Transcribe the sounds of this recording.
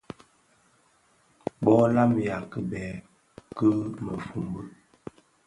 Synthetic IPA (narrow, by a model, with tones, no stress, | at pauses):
ɓɔ˦la˦mja˨kə˦bɛ˨˦ | kə˦mə˨fu˨mbə˦